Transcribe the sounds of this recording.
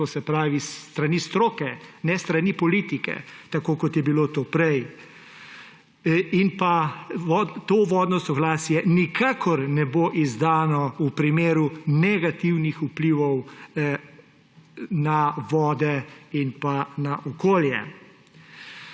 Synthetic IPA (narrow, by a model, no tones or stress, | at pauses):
t̪osɛpɾaːʋist̪ɾanist̪ɾoːkɛnɛst̪ɾanipɔliːt̪ikɛ̰t̪akoːkɔt̪jɛbilot̪oːpɾɛj | inpaʋɔt̪oːʋɔːd̪nɔsɔɡlaːsjɛnikʰaːkʰɔɾnɛboːʔizd̪aːnɔupɾimeːɾunɛɡat̪iwnixupliʋɔw | naʋɔːd̪ɛinpanaʔɔkoːljɛ̰